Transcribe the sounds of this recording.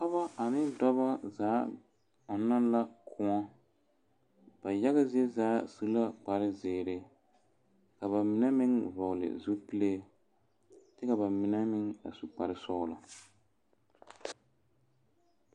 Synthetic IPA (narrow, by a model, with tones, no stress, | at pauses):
ka˦ba˦ʔa˨nɪ˦dɔ˦ba˦zaː˨˦ | ɔ˨na˦la˦kʰʊ˨ɔ˦ | b̥a˨ja˦ɣa˦zi˦ɛ˦zaː˨˦su˦la˦k͡pa˨ɾɪ˦zɪː˨ɾɪ˨ | ka˨βa˨mɪ˨nɛ˦mɪ˦ŋvɔ˨ɣlɪ̰˨zu˦pi˦le˦ | tɪ˦ka˨ba˨mɪ˨nɛ˦mɪ˦ŋa̰˨su˨k͡pa˨ɾɪ˦sɔ˦ʔla˨